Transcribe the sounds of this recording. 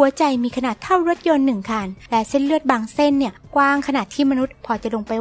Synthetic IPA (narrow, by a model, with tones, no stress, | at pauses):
u˩˦ɐt͡ɕa˧jmiː˧kʰa˧naː˨˩t̪ʰːa˥˩wɾo˦˥t̪̚jo˧nːɯ˨˩ŋkʰaː˧nlɛ˦˥se˥˩nlɯ˥˩ət̪̚baː˧ŋse˥˩nːi˥˩ɐkwaː˥˩ŋkʰa˧naː˨˩t̪ʰiː˥˩ma˧nu˦˥t̪̚pʰɔː˧t͡ɕa˨˩lo˧ŋpa˧j